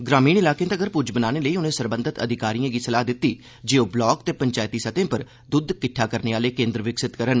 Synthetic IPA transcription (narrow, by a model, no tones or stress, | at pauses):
ɡɾaːmiːnɪlaːkẽːt̪əɡəɾpʊd͡ʒbənaːneːləiːʊnẽːsəɾbənd̪ʱət̪ə̰d̪ʱɪkaːɾijãːɡiːsəlaːd̪ɪt̪ːiː | d͡ʒeːoːblɔːkt̪eːpəɲt͡ʃaːjt̪iːsət̪ẽːpəɾ | d̪ʊd̪kɪʈʰːaːkəɾneːaːleːkẽːnd̪ɾəʋɪksɪt̪kəɾən